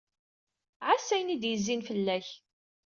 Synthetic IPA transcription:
ʕasːæjnid̪jəzːinfəlːæç

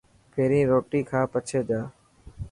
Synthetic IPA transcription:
pʰeːɾĩːɾoːʈiːkʰãːpət͡ʃʰeːd͡ʒaː

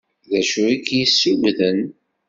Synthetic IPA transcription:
ðæʃuikjisːuwðən

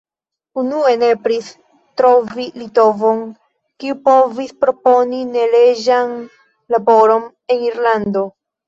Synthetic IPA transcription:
unuenepɾis | tɾo̞vilito̞vo̞n | kiupo̞vispɾo̞po̞nine̞le̞d͡ʒan | labo̞ɾo̞n | e̞niɾlando̞

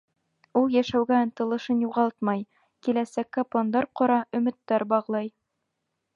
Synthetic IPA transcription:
ulˠjæʃæwɡæɤnt̪ɤ̆lˠɤ̆ʃɤnjuʁɑlˠt̪mɑj | kilæsækːæplˠond̪ɑɾqɒɾɑʔɵ̆mɘ̆t̪ːæɾbɑʁlˠɑj

